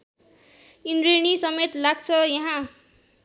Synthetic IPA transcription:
ind̪ɾenisʌmet̪laɡ̚t͡sʰʌjaɦã

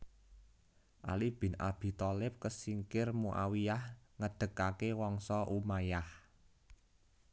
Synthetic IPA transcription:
ʔalib̥ɪ̤na̰b̥i̤t̪ɔlɪp̚kəsiŋkɪrmuʔa̰wiahŋəɖ̪̥ə̤kakewɔŋsɔʔumajah

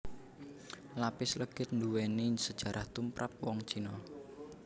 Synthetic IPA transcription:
lapɪsləɡ̥ɪ̤t̪̚nd̪uwenisəd̥ʒ̥a̤ɾʔaht̪umpɾʔa̰p̚wɔŋt͡ʃinɔ

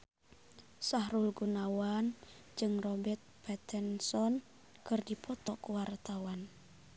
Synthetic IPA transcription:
sahɾulɡunawan | d͡ʒɨŋrɔbɛrt̪̚pɛt̪ɛnsɔn | kɨrdipʰɔt̪ɔkuwart̪awan

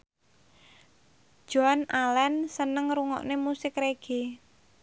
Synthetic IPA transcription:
ʒ̥oanʔalɛnsənəŋɾuŋɔ̰ʔnemusɪkreɡ̥e

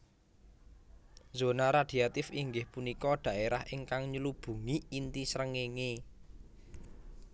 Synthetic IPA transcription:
zo̤naɾad̪̥i̤at̪ɪfiŋɡɪhpunikɔɖ̪̥ä̤ʔeɾahʔɪŋkaŋɲəlub̥ṳŋiːnt̪isɾəŋeŋe

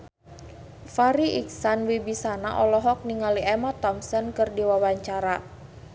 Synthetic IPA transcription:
faɾiʔiksanwibisana̰ʔɔlɔɦɔk̚niŋaliʔɛmat̪ɔmsɔnkɨrdiwawaɲt͡ʃaɾa

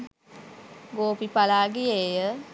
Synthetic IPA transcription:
ɡoːpipalaːɡijeːjə

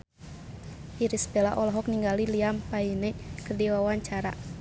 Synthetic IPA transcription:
iɾisbɛla̰ʔɔlɔɦɔk̚niŋɡaliliampainɛʔkərdiwawaɲt͡ʃaɾa̰

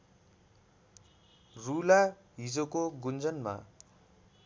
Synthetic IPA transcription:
rula | ɦid͡zokoɡund͡zʌnma̰

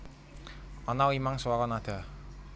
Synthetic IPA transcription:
ɔnawimaŋsəwakɔnad̪̥a

